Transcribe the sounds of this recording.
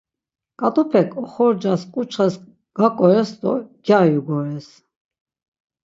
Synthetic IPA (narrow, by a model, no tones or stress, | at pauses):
kʼat̪ʼupʰɛkʰʼɔχɔɾd͡ʒaskʼut͡ʃʰχəs | ɡ̥akʼɔɾɛsd̪ɔɡ̥jajuɡɔɾɛs